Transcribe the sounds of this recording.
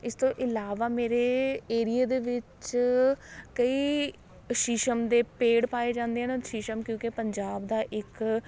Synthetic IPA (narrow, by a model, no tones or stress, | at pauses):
ɪst̪õːʔɪlaːʋaːmeːɾeːeːɾijeːd̪eːʋɪt͡ʃ | kəiː | ʃiʃəmd̪eːpeːɽpaːeːd͡ʒãːnd̪eːɦaːnʃɪʃəmkjõːkepəɲd͡ʒaːbd̪aːʔɪk